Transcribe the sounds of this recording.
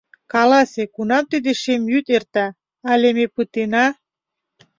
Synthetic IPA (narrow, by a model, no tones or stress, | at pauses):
kɑlɑsekunɑmt̪id̪eʃemjyt̪ert̪ɑ | ɑlʲemepɯt̪enɑ